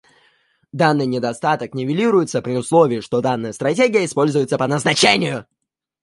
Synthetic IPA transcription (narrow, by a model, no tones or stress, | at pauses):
d̪anːɨjnʲɪd̪ɐst̪at̪əknʲɪvʲɪlʲiɾʊjɪt̪səpɾʲɪʊslˠo̞vʲɪɪʂt̪o̞d̪anːəjəst̪ɾɐtʲeɡʲɪjəɪspo̞lʲzʊjɪt̪səpənəznɐt͡ɕenʲɪjʊ